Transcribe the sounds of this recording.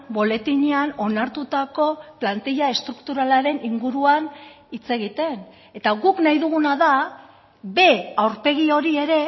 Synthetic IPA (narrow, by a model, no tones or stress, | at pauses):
bo̞le̞t̪iɲeano̞naɾt̪ut̪ako̞plant̪iʎae̞st̪ɾukt̪uɾalaɾe̞niŋɡuɾuan | it͡se̞ɣ̞it̪e̞n | e̞t̪aɣuknajðuɣ̞unaða | be̞awɾpe̞ɣio̞ɾie̞ɾe̞